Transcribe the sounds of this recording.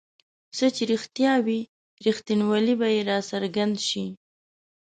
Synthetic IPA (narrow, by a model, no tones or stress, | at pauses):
sət͡ʃeɾixt̪jɑwi | ɾixt̪inwalibajeɾɑsaɾɡand̪ʃi